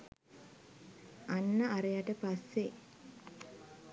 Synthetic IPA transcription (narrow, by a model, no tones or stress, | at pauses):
anːəaɾejaʈəpasːe